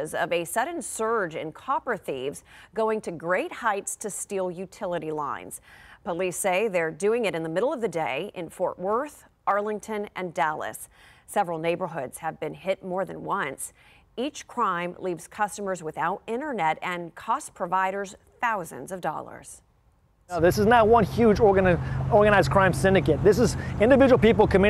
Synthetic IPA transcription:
zʌ̰vɨsʌdⁿn̩sɜ˞d͡ʒɨ̰̃nkʰɑpɹəθivzɡoʊɪ̃ŋtʰɨɡɹeɪt̚haɪtstʰɨstilˠjʉtʰɪlˠəɾilã̰ɪ̃nz̥pəliseɪðə˞dʉɪ̃ŋɨɾɨ̃nðəmɪɾl̩ˠʌvðɨdeɪʔɨ̃nfɔɹʔwɜ˞θ | ɑɹlˠɪ̃ŋtʰɨ̃nʔɨ̃ndælˠɨ̰sː | ɛvɹl̩ˠneɪbə˞ɦʊdz̥ɨvbɨ̃nɦɪt̚mɔɹðɨ̃nwʌ̃ns | it͡ʃkʰɹ̥ãɪ̃mlivz̥kʰʌstəmə˞zwɨθaʊɾɪ̃ɾ̃ə˞nɛɾɨ̃nkʰɔspʰɹ̥əvaɪɾə˞z̥ | θaʊzɨ̰̃nzʌvdɔ̰lˠə̰˞z̥ | ðɪsɨznəʊwʌ̃nhjʉd͡ʒɔɹɡɨɔɹɡəɨñaɪz̚kʰɹ̥ãɪ̃msɪ̃ndɨkeɪt̪̚ðɪs̬ɨzɪ̃ndɨvɪd͡ʒəwl̩ˠpipl̩ˠkʰɨmɪ

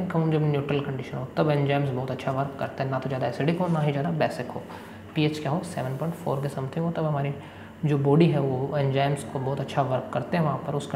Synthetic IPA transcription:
kɐmũːnd͡ʒɐbnjuːʈɾəlkɐ̃ɳɖɪʃənɦot̪ɐbɛ̃nd͡ʒaːɪmsbɔːt̪ɐtːʃʰaʋɐɾkːɐ̰ɾt̪aɦɛ̃nat̪od͡ʒjaːd̪aɛseɖɪkɦonaɦid͡ʒjaːd̪abɛːsɪkɦo̰ː | piːeːt͡ʃkjaːɦosɛ̰ːʋənpɔ̃ɪ̃ɳʈfo̰ːɾkesɐmt̪ʰɪ̃ŋɦot̪ɐbɦɐmaːɾi | d͡ʒoːbɔːɖiɦɛʋoɛ̃nd͡ʒaːɪmskobɔːt̪ɐtːʃʰaʋɐɾkːɐɾt̪eɦɛ̃ʋɐɦãpɐɾʊsk

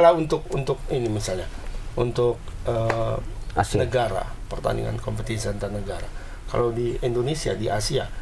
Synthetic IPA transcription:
launt̪ʊk̚unt̪ʊk̚inimisalɲaunt̪ʊk̚ə | nəɡaɾa̰pərt̪a̰nḭŋa̰nkompət̪ins̬iant̪anəɡaɾa | ka̰lawdiindonesia̰diʔasia̰

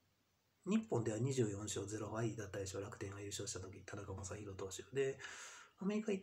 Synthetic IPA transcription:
ɲ̟ipːõnd̪eaɲ̟iʑɨːjõ̞ɰ̃ɕo̞ːze̞ɾo̞βaid̪at̪ːaiɕiaɾakɯ̟t̪ẽ̞ŋɡaiɾɯ̟ɕo̞ːɕi̥t̪at̪o̞kʲit̪ʰaɾakamasãçiɾo̞t̪o̞ːɕɨːd̪e̞ame̞ɾʲikai

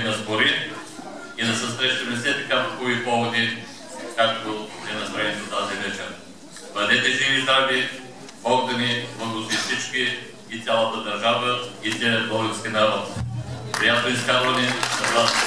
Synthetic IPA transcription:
nɐsboɾi | id̪ɐsɐsɾɛʃt̪əmɛsɛt̪ikapokuipɔvod̪i | kak̚t̪oɛnɐst̪ɾɛnʲit̪ot̪azinɛt͡ʃɛn | d̪ɐd̪ɛt̪ɛzivizɾabi | ɔɡd̪ɐnivəɡ̪ʊt̪ifsit͡ʃkiː | t̪ʲjalˠət̪əd̪ɐɾʒavəit̪ʲɛbɔɡɛnskʲinɐɾɔt̪kojat̪oiskazvɐnɛsɐzat̪

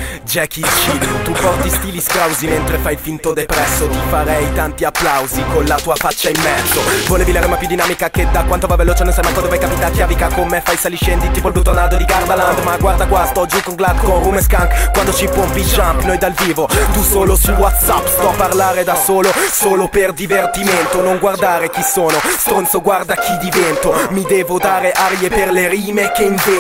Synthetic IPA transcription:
d͡ʒɛkːit͡ʃiːd̪ot̪upɔrt̪ist̪iːliskɾawziment̪ɾefajfint̪od̪epɾɛsːot̪ifaɾɛjt̪ant̪iapːlawzikonlat̪uːafat͡ʃːaimːɛrd̪ovoleːvilaɾemapjud̪inaːmikaked̪akwant̪ovavelot͡ʃɛnonsajmakɔnd̪ofajkapit̪akːjavikakomefajsaliʃɛnd̪it̪iːp̬olbut̪ːonad̪od̪iɡard̪aland̪maɡwaɾd̪akwast̪ɔd͡ʒukoŋɡlad̪konrumeskaŋkkwand̪ot͡ʃipɔmpid͡ʒampnojd̪alviːvot̪usoːlosuwat̪sapːst̪ɔpːarlaːɾed̪asoːlosoːloperd̪ivert̪iment̪onoŋɡward̪aːɾek̟isoːnost̪ɾont̪soɡward̪ak̟ʰid̪ivɛnt̪omid̪ɛːvod̪aːɾeʔaɾjeperleɾiːmekeiɱve

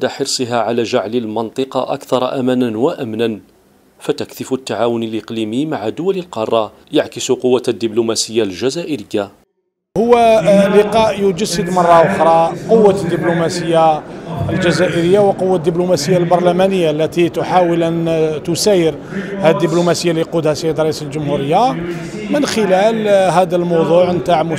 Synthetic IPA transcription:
d̪aħəɾsˤəɦaʕalæʒaʕləlmɑnt̪ˤɨqɑʔa̰kθɑɾˤɑʔæmænænwaʔæmnæn | fæt̪ækθəft̪ːaʕawʊnəlʔəqlimimaʕad̪ʊwæləlqɑrˤːɑ | jaʕkəsuqʊwːad̪ːiblumæsəjːalʒæzæʔəɾəjːa | hʊwːælɪqɑʔjʊd͡ʒəsːəd̪mɑrˤːɑʔʊxɾˤɑqowːad̪ːiblumæsəjːaəlʒæzæʔəɾəjːawəqʊwːad̪ːiblumæsəjːalbɑɾˤlæmænəjːalːæt̪it̪ʊħawəlʔænt̪ʊsæjəɾ | hæd̪ːiblumæsəjːaliqud̪hæsəjːəd̪ɾˤɑʔisəlʒʊmhuɾəjːa | mənxəlælɦæd̪ælmɑwd̪ˤuʕnt̪aʕmʊ

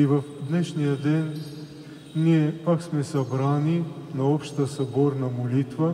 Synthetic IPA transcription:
ivɐfd̪nɛʃnijad̪ɛn | niɛpaksmɛsɐbɾaninaɔpʃt̪ɐsɐbɔɾnɐmolit̪va

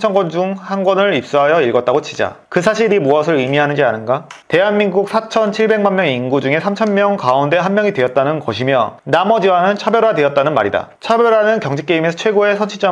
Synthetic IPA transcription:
t͡ɕʰʌnɡʌnd͡ʑuŋhanɡwʌnɯɭip̚s͈uɦajʌiɭɡʌt̚t͈aɡot͡ɕʰid͡ʑa̰ | kɯs̬ʰaɕʰiɾimuʌsʰɯɭimiɦanɯnd͡ʑianɯnɡate̞ɦanminɡuk̚sʰat͡ɕʰʌnt͡ɕʰiɭbe̞ŋmanmjʌŋinɡud͡ʑuŋe̞sʰamt͡ɕʰʌnmjʌŋkaunde̞ɦanmjʌŋidwe̞ʌt̚t͈anɯnkʌɕʰimjʌnamʌd͡ʑiwanɯnt͡ɕʰabjʌɾadwe̞jʌt̚t͈anɯnma̰ɾida̰t͡ɕʰabjʌɾanɯnkjʌŋd͡ʑik͈eimesʰʌt͡ɕʰwe̞ɡoe̞sʰʌnt͡ɕʰit͡ɕ͈ʌ

